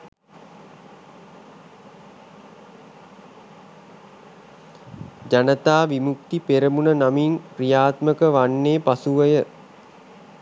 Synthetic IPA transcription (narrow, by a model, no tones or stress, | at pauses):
d͡ʒanət̪aːʋimuk̚t̪ipeɾəmunənamiŋprijaːt̪məkəʋanːeːpasuʋəjə